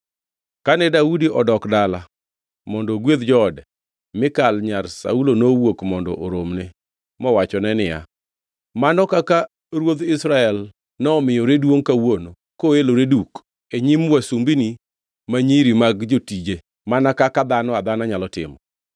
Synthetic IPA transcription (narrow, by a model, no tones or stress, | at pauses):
kanɛdaudiʔɔdɔkdala | mɔndɔɡwed̪d͡ʒɔdɛ | mɪkalɲarsa̰ulonowokmɔndɔ̰ʔoɾomne | mɔwat͡ʃɔnɛnɪja̰ | manɔkaka | ɾwod̪ɪsɾaɛl | nɔːmɪjɔɾedwoŋkawono | koeloɾeduk | eɲimwasumbini | maɲiɾimaɡd͡ʒotid͡ʒe | manakakad̪anɔad̪anaɲalɔtɪ̰mɔ